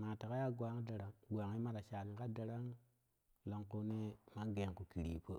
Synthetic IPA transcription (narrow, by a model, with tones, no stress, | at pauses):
ma˨ta˨ka˦ja˦ɡwa˨˦ŋ˦da˨ɾa˦ŋɡʷa˨ŋi˦ma˦ɾa˨ʃa˨ni˨ka˦da˨ɾa˦ŋ | lo˨˦ŋko˦ne˦ma˦ɡe˨ŋku˨ki˨ɾḭ˨pə˦